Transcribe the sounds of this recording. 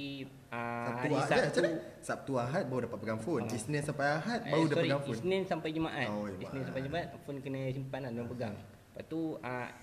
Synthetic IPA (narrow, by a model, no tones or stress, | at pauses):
asauaaat͡ʃaasap̚t̪uaɦat̪̚baudapat̪̚pəɡaŋfʊnisnɛnsampajaɦat̪̚bausdəɔpɾiɡaŋfiunsnɪnsampajd͡ʒəmaʔatod͡ʒəmisninsampajd͡ʒəmaat̪̚fʊnkənəs̬impanandulampəɡaŋ | pat̪ua